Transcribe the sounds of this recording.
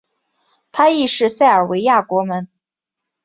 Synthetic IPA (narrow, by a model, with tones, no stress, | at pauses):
t̪ʰa˥i˥˧ʂɻ̩˥˧sa˥˩ɪə˞˨˩we˧˥ɪja˥˩kwɔ˧˥mə˧˥n